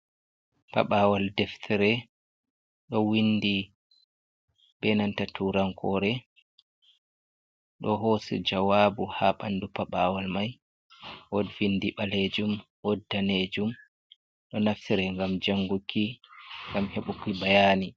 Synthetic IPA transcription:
pa̰ɓawaldɛftʰiɾɛ | ɗɔwindi | bɛnantatʰuɾankʰɔːɾɛ | ɗɔɦosɛ̰d͡ʒawaːbuhaɓa̰nːdupaɓawalmaj | ʔɔdwinːdiɓaled͡ʒumwɔdːaned͡ʒum | ɗɔnaftiɾɛŋɡamd͡ʒaŋɡukʰːiŋɡamheɓukibajaːni

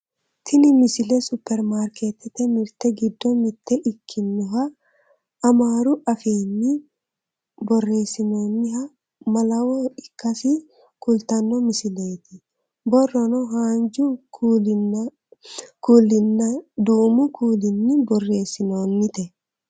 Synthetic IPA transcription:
t̪ʰɪnɪmɪsɪlɛsʊpːɛɾmaːɾket̪ɪt̪ɛmɪɾt̪ɛɡɪd̪ːɔmɪt̪ːɛʔɪkʰːɪnːʊɦɐː | maːɾʊʔɐfeːnːɪ | bɔrːe̞ːsːɪnoːnːɪhɐ | mɐlɐwɔᶑɪkːɐsɪ | kʊlt̪ɐnːɔmɪsɪleːt̪ɪ | bɔrːɔnɔɦaːnd͡ʒu | kuːlɪnːɐd̪uːmʊkʰuːlɪnːɪbɔrːe̞ːsːɪnoːnːɪt̪ɛ

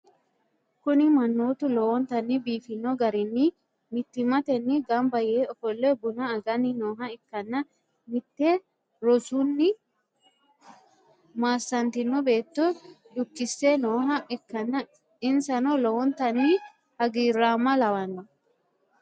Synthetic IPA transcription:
kʊnɪmɐnːoːt̪ʊlɔwɔnt̪ɐnːibiːfɪnːɔɡɐɾɪnːɪ | mɪt̪ːɪmɐt̪ɛnːɪɡɐmbɐjeːɔfɔlːɛbʊnɐːɡɐnɪnoːɦɐɪkːɐnːɐ | mɪt̪ːe | ɾɔsunːɪ | maːsːɐnt̪ɪnːɔbe̞ːt̪ːɔ | d̪ʊkːɪsːenoːɦɐʔɪkːɐnːɐ | ɪnsɐnɔlɔwɔnt̪ɐnːi | hɐɡiːrːaːmːɐlɐwɐnːɐ

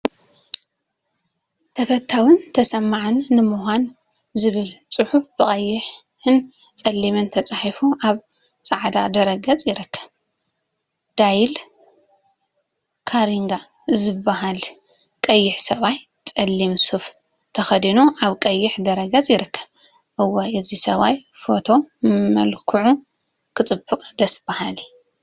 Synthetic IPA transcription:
t̪ʰɐfɐt̪ʰːawɨnt̪ʰɐsɐmːaʕɨnːɨmuhʷan | zɨβɨlt͡sʼɨħufbɨχʼɐjːɪħ | ɨnt͡sʼɐlːimɨnt̪ʰɐt͡sʼaħifuʔaβ | t͡sʼaʕd̪a̰d̪ɐɾɐɡɐt͡sʼjɪɾɨkʰːɐ̥β | d̪̥ajl | kʰaɾiŋɡa | zɨbːaɦal | kʼɐjːɪħsɐβaj | t͡sʼɐlːimsuf | t̪ʰɐxɐd̪inuʔaβkʼɐjːɪħd̪ɐɾɐɡɐt͡sʼjɪɾɨkːɐ̥β | ʔɨwːoʔɨzisɐβaj | fo̞t̪ʰo̞mɐ̰lkʰuʕu | kʰɨt͡sʼɨbɨkʼd̪ɐsɨbːahali

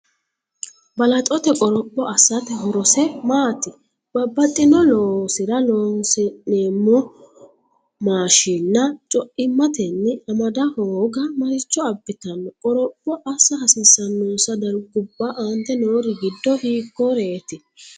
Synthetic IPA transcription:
bɐlɐt̪ʼɔt̪ɛkʼɔɾɔpʼːɔʔɐsːɐt̪ɛɦɔɾɔsɛmaːt̪ːɪ | b̥ɐbːɐt̪ʼːɪnɔloːsɪɾɐloːnsɛneːmːɔ | maːʃinːɐt͡ʃʼɔʔɪmːɐt̪ɛnːɪɐmɐd̪ɐhoːɡɐmɐɾɪt͡ʃːɔɐbːɪt̪ɐnɔkʼɔɾɔpʼːɔʔɐsːɐhɐsɪsːɐnːoːsɐd̪ɐɾɡʊbːɐʔɐnt̪ɛnoːɾɪɡɪd̪ːɔhiːkːɔɾeːt̪ɪ

